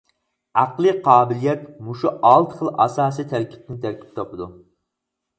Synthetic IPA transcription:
æqlˠɨqʰɑːbɪlijɛt̪muʃuʔɑlˠt̪ʰχəlˠɑsɑːsijt̪ʰæɾkʲʰi̥p̪̚ɪnt̪ʰæɾkʲʰi̥p̚t̪ʰɑpɨd̪u

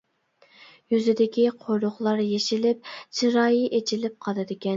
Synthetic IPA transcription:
jyzɪd̪ɪkʲiqʰojɾʊχlˠɑɾjeʃilɪp̚t͡ʃʰiɾɑːjiʔet͡ʃʰilɪp̚qʰɑɨd̪ɪkʲɛn

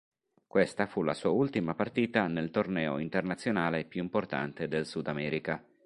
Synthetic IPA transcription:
kwest̪afulasuːault̪imapart̪iːt̪anelt̪ornɛːo̰int̪ernat̪sːjonaːlepjuimport̪a̰nt̪ed̪elsud̪amɛːɾika

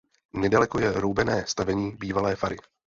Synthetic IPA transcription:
nɛdalɛko̞jɛɾowbɛnɛːst̪avɛɲiːbiːvalɛːfaɾɪ

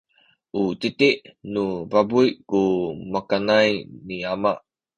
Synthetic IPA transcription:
ʔut̪it̪iʔnuvabujkumakanajniamaʔ

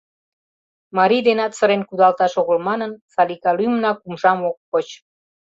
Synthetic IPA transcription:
mɑɾid̪enɑt̪səɾenkud̪ɑlt̪ɑʃoɣəlmɑnənsɑlikɑlymnɑkumʒɑmokːot͡ɕ

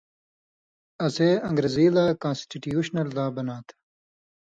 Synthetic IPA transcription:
ɐseːɐ̃ŋɡɾeziːlaːkãːnsʈiʈjuːɕnɐld̪aːbɐnaːt̪ʰ

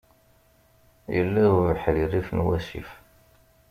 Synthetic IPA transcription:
jəlːæuvəħlirːifnwæsḭf

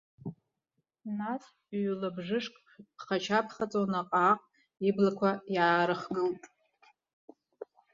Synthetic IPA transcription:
nas | ɥlabʐɨʂkʼ | pʰχat͡ʃʰapʰχat͡sʼonaqʼaːqʼ | iblakʷʰajaːɾɨχɡɨltʼ

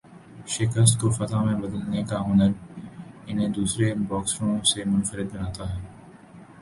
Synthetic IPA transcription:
ʃɪkəst̪kofɐt̪amẽbɐd̪əlnekaɦʊnəɾ | ɪnɦẽd̪uːsɾebɔːksɾõsemʊnfəɾɪd̪̚bɐnaːt̪aɦɛː

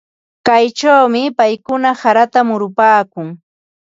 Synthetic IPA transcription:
kajt͡ʃawmɪpajkʊnasaɾat̪amʊɾʊpaːkʊŋ

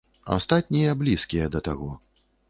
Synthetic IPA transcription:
a̰st̪at̪̚ʲnʲijɐblʲiskʲijɐd̪ɐt̪aɣɔ

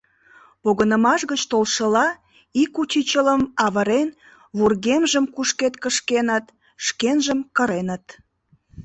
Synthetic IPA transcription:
poɣənəmɑʃɣət͡ɕt̪olʃəlɑ | ikut͡ɕit͡ɕələmɑβəɾen | βurɣemʒəmkuʃket̪kəʃkenət̪ | ʃkenʒəmkəɾenət̪

